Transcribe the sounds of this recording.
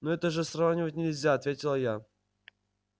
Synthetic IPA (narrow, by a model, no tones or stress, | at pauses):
noɛt̪əʐɨsɾavnʲɪvətʲnʲɪlʲzʲaɐt̪vʲetʲɪlˠəja